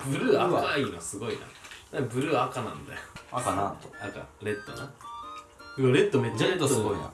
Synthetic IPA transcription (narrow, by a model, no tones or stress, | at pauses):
b̥ɯ̟ɾɯ̟aaaiːnosɨɡo̞ina̰d̪abɯ̟ɾɯ̟akanã̰nd̪a̰joakana̰t̪aka̰ɾe̞t̪ːona | ɡoɾet̪ːomet͡ɕːaɾet̪ːoɨɡoina̰